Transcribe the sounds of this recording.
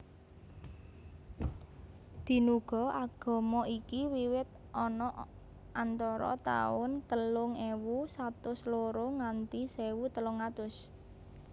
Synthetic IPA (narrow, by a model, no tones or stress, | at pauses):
d̪̥i̤nuɡ̥ɔ̤aɡ̥ɔ̤mɔikiwiwɪt̪̚ | ʔɔnɔʔ | ant̪ɔɾɔ̰t̪a̰ʊnt̪əlʊŋewusat̪ʊsloɾoŋant̪isewut̪əlʊŋat̪ʊs